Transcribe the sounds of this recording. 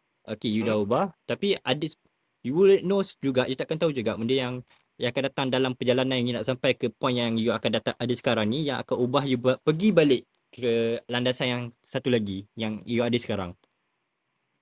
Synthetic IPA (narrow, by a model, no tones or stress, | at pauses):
ʔokejudaubaht̪apiadis | juwulnosd͡ʒuɡaʔjut̪aʔkant̪aud͡ʒuɡaʔmũndəjaŋ | jaŋakandat̪aŋdalampərd͡ʒalananjaŋunaʔsampajkəpuanjaŋjuakandat̪aŋʔadəsə̥kaɾaŋnĩjaŋa̰kanubahjubapəɡibalɪʔ | kəlandasanjaŋsat̪ulaɡijaŋjuadəsə̥kaɾa̰ŋ